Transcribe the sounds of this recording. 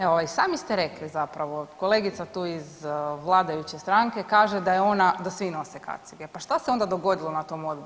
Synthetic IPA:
eoajsaːmist̪eɾeklizapɾaʋo̞ko̞le̞ːɡit̪sat̪uːizʋlˠaːd̪ajut͡ɕest̪ɾaŋke̞kaːʒed̪ajeo̞nad̪asʋino̞seka̰t̪siɡepaʃt̪aseo̞nd̪ad̪o̞ɡo̞d̪ilˠo̞nat̪o̞mo̞d̪bu

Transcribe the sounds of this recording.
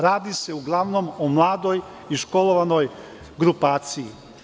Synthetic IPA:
ɾaːd̪ise̞uɡlˠaʋno̞momlˠaːd̪o̞j | iʃko̞lˠo̞ʋano̞j | ɡɾupaːt̪sii

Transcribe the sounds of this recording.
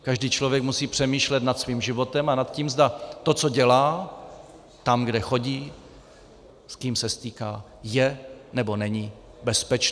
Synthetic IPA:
kaʒdiːt͡ʃlo̞vjɛkmusiːpr̥ɛmiːʃlɛt̪nat̪sviːmʒɪvo̞t̪ɛmanat̪ciːmzd̪at̪o̞t͡so̞ɟɛlaː | t̪amɡdɛxo̞ɟiː | skiːmsɛst̪iːkaː | jɛnɛbo̞nɛɲi | bɛspɛt͡ʃ

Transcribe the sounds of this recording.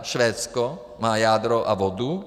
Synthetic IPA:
ʃvɛt̪sko | majad̪ɾoʔa̰vɔd̪u

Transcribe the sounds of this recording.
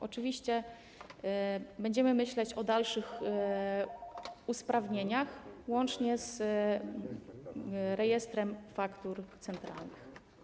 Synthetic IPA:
ʔɔt͡ʂɘvʲiɕt͡ɕɛ | bɛɲd͡ʑɛmɘmɘɕlɛt͡ɕɔd̪alʂɘx | uspɾavɲeɲaxwɔnt͡ʂɲɛz | ɾɛjɛst̪ɾɛmfakt̪uɾt̪sɛnt̪ɾa̰lnɘx

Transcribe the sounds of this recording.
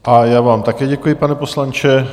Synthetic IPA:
ʔajaːvaːmt̪akɛːɟɛkujɪpanɛpo̞slant͡ʃɛ

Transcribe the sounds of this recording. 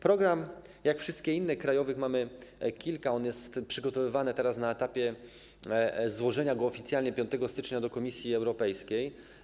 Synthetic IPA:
pɾɔɡɾam | jakfʂɘst̪̚kʲɛinːɛkɾajɔvɘxmamɘkʲilkaɔnjɛst̪pʂɘɡɔt̪ɔvɘvanɘt̪ɛɾasnaɛt̪apʲjɛ | zwɔʐɛɲaɡɔːfʲit̪sjalɲɛpʲjɔ̃nt̪ɛɡɔst̪ɘt͡ʂɲad̪ɔkɔmʲisʲjiɛwɾɔpɛjskʲej

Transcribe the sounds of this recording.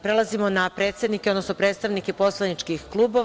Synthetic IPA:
pɾelˠazimo̞napɾe̞ːt̪sed̪nikeo̞d̪nosnopɾet̪st̪aʋnikepo̞slˠanit͡ʃkixklˠuːbo̞

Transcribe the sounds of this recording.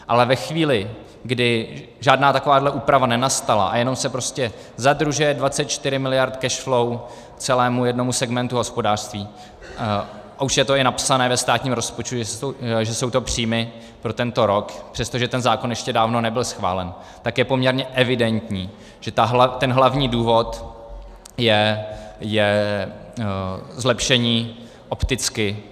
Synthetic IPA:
ʔalɛvɛxviːlɪ | ɡdɪ | ʒaːdnaːt̪ako̞vaːdlɛʔuːpɾavanɛnast̪ala̰ʔa̰jɛno̞msɛpɾo̞scɛ | zad̪ɾuʒɛjɛdvat͡sɛt̪̚t͡ʃt̪ɪɾɪmɪlɪjaɾt̪kɛʃflow | t͡sɛlɛːmujɛdno̞musɛɡmɛnt̪uɦo̞spo̞daːr̥st̪viː | auʃjɛt̪o̞ɪnapsanɛːvɛst̪aːt̪ɲiːmɾo̞spot͡ʃt̪uʒɛsʒɛso̞wt̪o̞pr̝̥iːmɪ | pɾo̞t̪ɛnt̪o̞ɾo̞kpr̥ɛst̪oʒɛt̪ɛnzaːkonjɛʃcɛdaːvno̞nɛbɪlsxva̰ːlɛn | t̪akjɛpo̞mɲɛɾɲɛʔɛvɪdɛnt̪ɲiː | ʒ̥ɛt̪aɦt̪ɛnɦlavɲiːduːvo̞t̪ | jɛ | jɛ | zlɛpʃɛɲiː | ʔopt̪ɪt͡skɪ

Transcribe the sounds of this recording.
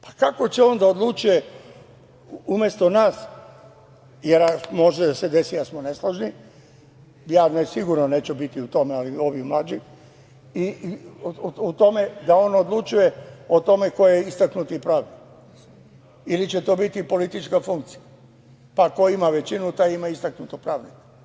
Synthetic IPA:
pḁkako̞t͡ɕeo̞nd̪aod̪lˠut͡ʃuje | umjest̪o̞naːs | jeɾamo̞ʒed̪ased̪e̞siasmoneslˠoʒni | jaːnesiɡuɾnoneːt͡ɕubit̪iut̪o̞mealio̞ʋiumlad͡ʒi | i | ut̪o̞me̞d̪ao̞nod̪lˠut͡ʃujeo̞t̪o̞me̞ko̞jeeist̪aknut̪ipɾaːʋni | ilit͡ɕet̪o̞ːbit̪ipo̞lit̪it͡ʃkafuŋk̚t̪si̥ja | pako̞imaʋe̞t͡ʃinut̪ajimaist̪aknut̪opɾaːʋnik

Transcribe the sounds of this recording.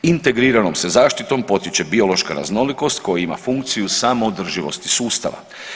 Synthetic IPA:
int̪e̞ɡɾiːɾano̞msezaːʃt̪it̪o̞mpo̞t̪it͡ɕe̞bio̞lo̞ʃkaɾa̰zno̞liko̞st̪ko̞jaima̰fuŋk̚t̪sijusamoːd̪r̩ʒiʋo̞̰st̪i̥suːst̪a̰ʋa̰

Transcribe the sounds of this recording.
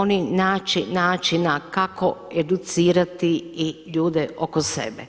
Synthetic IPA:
oninaːt͡ʃinaːt͡ʃinakakoed̪ut̪siːɾat̪iiʎuːd̪ɛʔokosḛbɛ

